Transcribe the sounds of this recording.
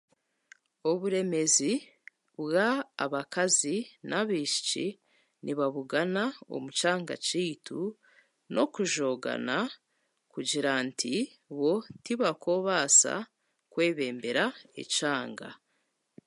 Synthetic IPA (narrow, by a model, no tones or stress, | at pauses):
o̞βuɾe̞me̞zi | βwaːβakazinʔaβiːʃi̥t͡ʃḭ | nʔiβaβuɡanao̰mut͡ʃaːŋɡa̰t͡ʃiːtu | nʔo̞̰kuʒo̞ːɡa̰na | kuɟiɾantʰi | βo̞tiβako̞βasa̰ | kwe̞ːβe̞ːmbe̞ɾaḛt͡ʃaːŋɡa̰